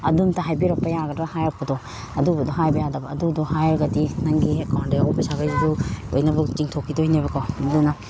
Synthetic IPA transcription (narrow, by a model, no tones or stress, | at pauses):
ɐduntɐɦajbiɾɐpːɐjaɡɐdɾahajɾɐpːɐdɔ | ɐdubɐdɔɦajbɐjadɐbɐːdudɔhajɾɐɡɐtinɐŋɡiekʰawndeɔpisaɡajziduo̰jnɐbut͡ʃiŋtʰokʰːidɔhinabɐkʰɔmɐduna